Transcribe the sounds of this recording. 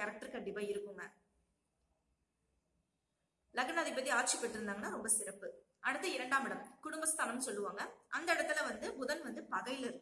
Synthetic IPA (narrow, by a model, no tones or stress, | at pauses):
ɐɾɐk̚ʈɐɾkɐɳɖɪpaːɪɾɯkːɯŋɡɐ | lɐɣɐnaːðɐɪpːɐt̪ːiaːʈ̚t͡ʃipːɐʈːɪɾɯnd̪aːŋɡɐnːaːɾɔmbɐsɪɾɐpːɯ | ɐɽɯt̪ːɐɪɾɐɳɖaːmɪɽɐmkʊɽʊmbɐst̪ʰaːnɐmsɔlːɯʋaːŋɡɐʔɐnd̪ɐɪɽɐt̪ːɪlɐʋɐnd̪ɯmʊðɐnʋɐnd̪ɯpɐɣɐɪɪlɪɾɯ